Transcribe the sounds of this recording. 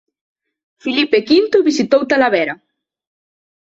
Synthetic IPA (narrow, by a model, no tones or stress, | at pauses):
filipekint̪ʊβisit̪owt̪alaβɛɾɐ